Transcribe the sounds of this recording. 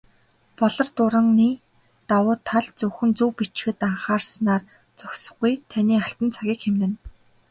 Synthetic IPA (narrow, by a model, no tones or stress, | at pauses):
pɔɮɞ̆rt̪ʊɾə̆ŋniː | t̪awʊːt̪ʰːaɮt͡sɵxɘ̆nt͡suwpit͡ɕxɘ̆t̪aɴχaːrsnaːr | t͡sɔksɞ̥̆χɡujt̪ʰaniːaɬt̪ə̆nt͡sʰaɣʲiːkxemnɘ̆n